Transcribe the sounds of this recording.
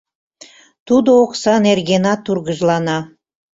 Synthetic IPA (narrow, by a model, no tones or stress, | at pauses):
t̪ud̪ooksɑnerɣenɑt̪urɣəʒlɑnɑ